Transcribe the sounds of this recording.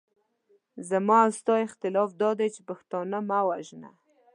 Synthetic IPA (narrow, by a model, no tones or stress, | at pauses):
zamɑawst̪ɑɪxt̪ɪlɑfd̪ɑd̪ajt͡ʃepaxt̪ɑnamawaʒna̰